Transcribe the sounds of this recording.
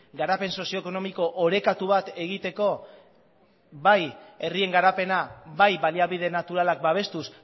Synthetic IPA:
ɡaɾape̞nso̞sio̞eko̞no̞miko̞ʔoɾe̞kat̪uβ̞at̪e̞ɣ̞it̪e̞ko̞ | βaje̞rie̞ŋɡaɾape̞naβajβaliaβið̞e̞nat̪uɾalak̚baβ̞e̞st̪us

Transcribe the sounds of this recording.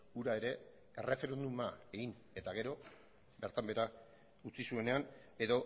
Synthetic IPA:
uɾae̞ɾe̞ | ere̞fe̞ɾe̞nd̪umae̞ɣin | e̞t̪aɣe̞ɾo̞ | be̞ɾt̪ambe̞ɾa | ut͡sisue̞ne̞an | e̞ðo̞

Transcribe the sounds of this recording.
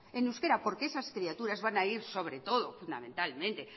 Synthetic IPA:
enuske̞ɾapo̞ɾkeesaskɾiat̪uɾazβanaiɾso̞β̞ɾe̞t̪o̞ðofund̪a̰mẽ̞nt̪almẽnt̪e̞

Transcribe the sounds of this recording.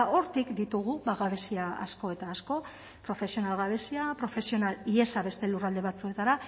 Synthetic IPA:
ʔo̞ɾt̪ikd̪it̪uɣ̞uβaɣaβe̞siaa̰sko̞e̞t̪aːsko̞ | pɾo̞fe̞sio̞nalɣaβe̞siapɾo̞fe̞sio̞nalie̞saβe̞st̪e̞lurald̪e̞βat͡sue̞t̪aɾa

